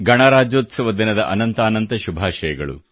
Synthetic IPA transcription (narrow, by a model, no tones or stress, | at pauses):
ɡɐɳaːɾaːd͡ʒoːt̪sɐʋɐd̪inɐd̪ɐʔɐnɐnt̪aːnɐnt̪ɐʃubʱaːʃɐjɐɡɐ̰ɭṵ